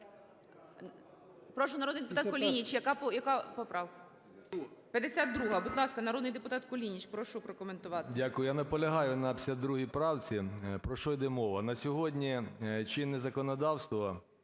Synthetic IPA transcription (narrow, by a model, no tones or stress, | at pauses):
pɾɔʃʊnɐɾɔd̪nɪjd̪epʊt̪ɑkɔlʲinʲit͡ʃjɐkɑpɔjɐkɑpɔpɾɑwkɐ | pʲjɐd̪esʲad̪d̪ɾuɦɐbud̪lˠɑskɐnɐɾɔd̪nɪjd̪epʊt̪ɑt̪kɔlʲinʲit͡ʃpɾɔʃʊpɾɔkɔment̪ʊʋɑt̪ɪdʲakʊjʊjanɐpɔlʲɐɦɑjʊnɐpʲsʲad̪ːɾuɦʲipɾɑwt͡sʲipɾɔʃɔjd̪ɛmɔʋɐnɐsʲɔɦɔdʲnʲit͡ʃɪnezɐkɔnɔd̪ɑwst̪ʋɐ